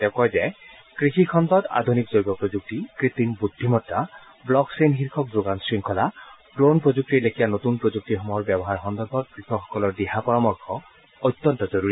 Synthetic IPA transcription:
tɛʊkɔjzɛ | kɹixikʰɔnd̪ɔta̰d̪ʱunikzojbɔpɹozuk̚tikɹit̪inbud̪ʱːimɔtɹa | blɔksenxiɹkʰɔk̚doɡansɹiŋkʰɔla | dɹonpɹozuk̚tiɹlekʰijanotunpɹozuk̚tixɔmɔjɔɹbɛbɔɦaɹxɔnd̪ɔɹbʱɔt̚ɡɹixɔxɔ̥kɔlɔɹdiɦapɔɹamɔɹkʰɔ | ojt̪ːɔntɔzoɹuɹi

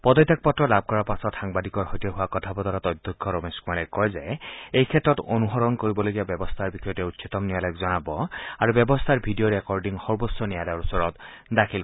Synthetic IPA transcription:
pɔd̪ɔjt̪ak̚pɔtɹɔlab̚ʱkɔɹapasɔtxaŋbad̪ikɔɹhojtɔɦʊwakɔt̪ʰabɔd̪ɔɾat̪ɔjd̪ʱɔkʰːɔɾomeskumalakɔjzɛejkʰɛtːɹɔtonuɦɔɹɔnkoɹibɔlojɡijabjɔbɔst̪ʰaɹbixɔjɔtɛutsʰit̪ɔmnialajkzɔnabɔaɹubjɔbɔst̪ʰaɹbʱidioɹekɔɹɖiŋxɔɹbosɔnijalaɔɹusɔɹɔtdakʰil

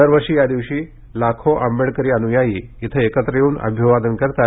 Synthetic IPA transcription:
əɾʋəɾʂiːjad̪iʋɕiː | lakʰoʔambeɽkəɾiːənujajiːit̪ʰəekət̪ɾəjeuːnʔə̰bʱjəʋad̪ənkəɾt̪a

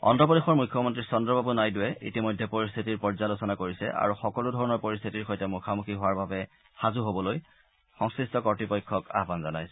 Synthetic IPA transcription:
ɔ̰ndɔpɔdexɔɹmujkʰːjɔmɔntɹisɔndɹɔbʱabunajdʊɛḭtimojdʱːɛpoɹist̪ʰitiɹpɔɹzalosɔnakoɹisɛ̰ʔa̰ɹuxɔkɔludʱɔɹɔnɔɹpoɹist̪ʰitiɹxojtɛmukʰamukʰiɦʊwaɹbabɛ | xazuɦobɔloj | xɔŋskɹistɔkɔɹtɹipɔjkʰːɔka̰ɦbanzɔnajsɛ

